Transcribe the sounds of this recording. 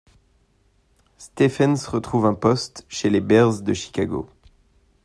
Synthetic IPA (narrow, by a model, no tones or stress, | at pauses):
st̪efɛnsʁət̪χuvɛ̃pɔst̪ʃelebɛʁzd̪əʃi̥kʲaɡo̰